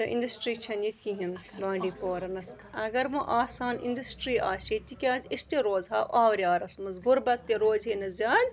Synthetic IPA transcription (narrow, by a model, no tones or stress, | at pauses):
t̪ɐʔḭnɖɐsʈɾiːt͡ʃʰɐnit̪kiɦimɡãːɳɖiːpoːɾɐnɐs | ɐɡɐɾmɐʔaːsaːnḭndɐsʈɾiːʔa̰ːsit̪ikʲaːzʲist̪iɾoːzɦaːwaːwɾʲaːɾɐsmɐsɡʊɾbɐt̪ːiɾoːzɦeːnɐzʲaːd̪ʲ